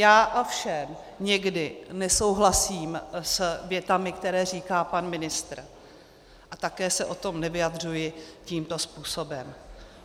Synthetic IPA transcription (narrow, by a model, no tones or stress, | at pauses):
jaːʔofʃɛm | ɲɛɡdɪnɛso̞wɦlasiːmsvjɛt̪amɪkt̪ɛɾɛːriːkaːpanmɪnɪst̪ɾ | ʔat̪akɛːsɛʔo̞t̪o̞mnɛvɪjad̪r̝ujɪciːmt̪o̞spuːso̞bɛm